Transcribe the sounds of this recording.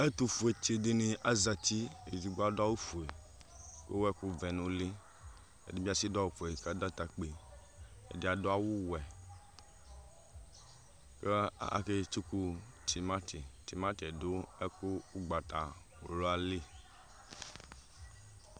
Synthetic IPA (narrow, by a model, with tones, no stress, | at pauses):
e˦t̪u˨fu˨e˨t͡ʃe˨de˦nĩ˨ʔa˦za˨t̪i˦e˨d͡ʒi˨ɡ͡bo˦a˨do˦a˦wu˦fu˨e˨ | kḛ˦wɛ˦ku˦vɛ˨nũ˦le˦ | ḛ˨de˦bi˦a˨si˦da˦wu˦fu˨e˨ka˦da˦t̪a˨k͡pe˨ | ḛ˨de˨a˨do˦a˦wu˦wɛ˨ | ke˦a̰˨ke˦t͡ʃu˦ku˦t̪i˨ma˦ti˨t̪i˨ma˦t̪ɛ˨do˦ɛ˦ku˦u˦ɡ͡ba˨t̪a˨ | o˨lo˦a˨le˦